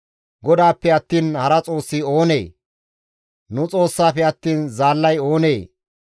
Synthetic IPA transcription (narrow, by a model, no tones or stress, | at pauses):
ɡɔd̪aːpːɛɐt̪ːiːnhɐɾɐt͡sʼo̞ːsːɪo̞ːne̞̰ː | nʊt͡sʼo̞ːsːaːfɛɐt̪ːiːnzaːlːɐjo̞ːne̞ː